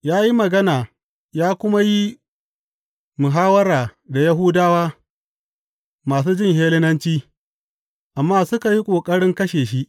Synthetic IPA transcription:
jaː˦ji˦mɐ˨ɡɐ˦naː˨ | jaː˦kʷʊ˦ma˦ji˦ | mʊ˨ɦaː˦wɐ˦ɾaː˨da˨ja˦ɦu˦daː˦waː˦ | maː˨s̬uː˦d͡ʒɪ˦ŋɦeː˦lɪ˦nɐ˦nt͡ʃiː˦ | ʔa˨mːaː˦sʊ˦ka˨ji˦kʷʼoː˨kʼɐ˦ɽɪ˦ŋkɐ˦ʃeː˨ʃi˦ʔ

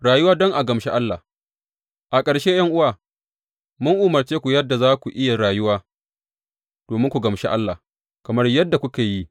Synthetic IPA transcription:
ɽaː˨jʊ˦waː˦dɔ˦ŋʔa˨ɡɐ˨mʃe˦ʔa˦lːa˨ | ʔa˨kʼɐ˨ɽʃeː˦jɐ˦ŋʔʊ˦waː˨ | mʊ˦ŋʔu˦mɐ˨rt͡ʃeː˦kʷu˨jɐ˦dːa˨zaː˦kʷu˨ʔɪ˦ja˨ɽaː˨jʊ˦waː˦ | d̥oː˨mɪ˦ŋkʷu˨ɡɐ˨mʃḛ˦ʔa˦lːaː˨ | kɐ˨mɐ˦rjɐ˦dːa˨kʷʊ˦keː˨ji˦

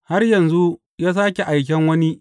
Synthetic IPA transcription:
ha˦rjɐ˨nzu˦ | jaː˦s̬aː˦kʲe˨ʔa˨jk̬ʲɛ˦ŋwɐ˦ni˦ʔ

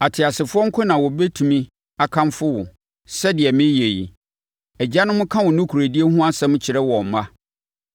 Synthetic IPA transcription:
a˨tʰɪ˨a˨sɪ˨fʊ˦ɔ˦ŋ̩˦kʰʊ˦nã˨wɔ˨be˦tʰũ˨mĩ˦ | a˨kʰã˦mfʊ˦wʊ˨ | sɛ˦dɪ˨ɛ˨mɪ̃˦je˨jḭ˨ | ɛ˨d͡ʑa˦nʊ̃˦mʊ̃˦kʰã˦wʊ̃˨nʊ̃˦kʰu˨ɾæ˨di˦e˦hʊ̃˦a˦sɛ̃˦m̃˦t͡ɕʰɪ˨ɾɛ˦wɔ˨m˨mã˦

